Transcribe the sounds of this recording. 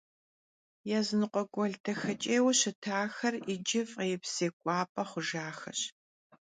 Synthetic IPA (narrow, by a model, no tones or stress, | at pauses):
jɛzɨnɨqʷʼɔɡʷɔɮtʰɐxɐt͡ʃʼeːwɕɪtʰaːxɐrid͡ʒɪfjɛpseːkʷʼɑːpʼɐχʷʊʒaːxɐɕ